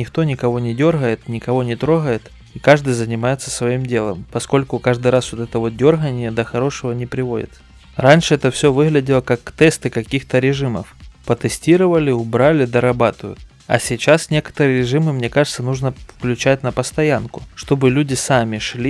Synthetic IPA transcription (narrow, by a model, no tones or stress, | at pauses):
nʲɪxt̪o̞nʲɪkɐvo̞nʲɪdʲo̞rɣəjɪt̪nʲɪkɐvo̞nʲɪt̪ɾo̞ɣəjɪt̪ | ikaʐd̪ɨjzənʲɪmajɪt̪səsvɐimdʲe̞lˠəmpɐsko̞lʲkʊkaʐd̪ɨjɾasvot̪ɛt̪əvo̞t̪̚dʲo̞rɣənʲɪjəd̪əxɐɾo̞ʂɨvənʲɪpɾʲɪvo̞̰dʲɪ̰t̪s | ranʲʂɨɛt̪əfsʲovɨɣlʲɪdʲɪlˠəkakt̪ɛst̪ɨkɐkʲixt̪əɾʲɪʐɨmə̰fpət̪ɨsʲtʲiɾəvəlʲɪʊbɾalʲɪd̪əɾɐbat̪ɨjʊ̰t̪̚ | ɐ̰sʲɪt͡ɕasnʲe̞kə̥t̪əɾɨɾʲɪʐɨmɨmnʲe̞kaʐɨt̪sənuʐnəfklʲʉt͡ɕætʲnəpəst̪ɐjankʊ̥ʂt̪o̞bɨlʲudʲɪsamʲɪʂlʲi